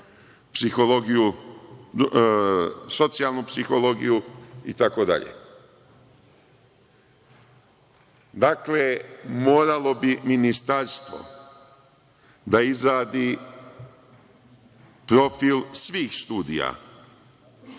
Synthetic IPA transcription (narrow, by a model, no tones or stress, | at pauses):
psixo̞lo̞ɡiju | so̞t̪sijalˠnupsixo̞lo̞ɡijuit̪ako̞d̪a̰ʎḛ | d̪aklemo̞ːɾalo̞biminist̪aɾst̪ʋo̞̰ | d̪aizɾaːd̪i | pɾo̞filsʋiːxst̪uːd̪ḭja̰